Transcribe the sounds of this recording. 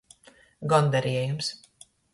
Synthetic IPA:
ɡɔnd̪ɛɾiɛjums

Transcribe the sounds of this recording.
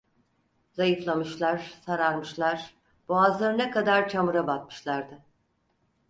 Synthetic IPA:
zajɯflˠamɯʃlˠaɾ̥saɾaɾmɯʃlˠaɾ̥ | b̥oazlˠaɾɯnɛkʰad̪aɾt͡ʃʰamɯɾabat̪̚mɯ̥ʃlˠaɾd̪ɯ

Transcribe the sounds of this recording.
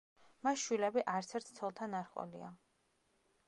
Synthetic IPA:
masʃwilɛbiʔaɾt̪sʰɛɾt̪ʰt̪sʰɔlˠt̪ʰanaɾχʼɔ̰lḭa

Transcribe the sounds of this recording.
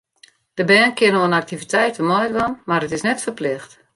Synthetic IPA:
d̥əbɛːnkɪnoənak̚tivitɛjtəmɔjtʋɔnmarətɪsnɛtfərplɪxt

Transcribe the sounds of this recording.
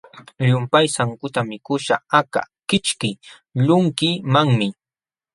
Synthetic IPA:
ʎʊmpajsaŋkʊt̪amɪkʊʃa̰aka̰ | kɪt͡ʃkɪ | ʎʊŋkimaŋmɪ

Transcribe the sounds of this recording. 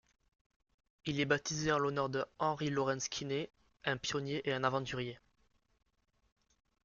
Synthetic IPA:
ilɛbat̪izeɑ̃lɔnœʁd̪əɑ̃ʁilɔʁɛ̃skʲʰine | ɛ̃pjɔnjeʔeɛ̃navɑ̃t̪yʁje

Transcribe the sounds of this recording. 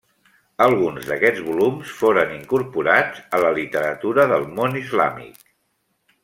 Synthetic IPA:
əlˠɣunzðəkɛd͡zβulumsfoɾəniŋkuɾpuɾad͡zələlit̪əɾət̪uɾəðəlˠmonizla̰mḭk

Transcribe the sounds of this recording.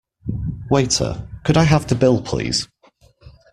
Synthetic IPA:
weɪtʰə̰kʰəɾaɪɦaftʰəbɪlˠpʰl̥ḭːz̥

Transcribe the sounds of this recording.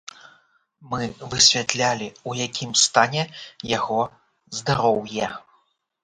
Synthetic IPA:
mɨvɨsʲvʲat̪lʲalʲiujakʲʰimst̪anʲɛjaɣɔ | zd̪aɾɔwjɛ

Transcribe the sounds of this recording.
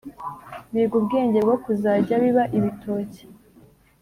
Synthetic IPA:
βiːɡubɡe̞ːɲɟe̞ɾbɡokuzaːɾɟaβiβaʔiβitʰo̞ːce̥

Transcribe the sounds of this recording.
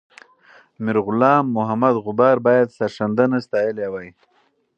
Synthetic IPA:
mɪɾɣʊlɑːmːʊɦamad̪ɣʊbɑɾbɑjad̪saɾʂand̪anast̪ɑjəlewaj

